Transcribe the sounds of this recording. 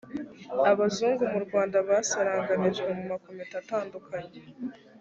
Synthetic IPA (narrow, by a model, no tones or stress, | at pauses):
aβazuːŋɡumuɾɡwaːndaβasaɾaːŋɡaniʒwemumakometataːndukʰaɲe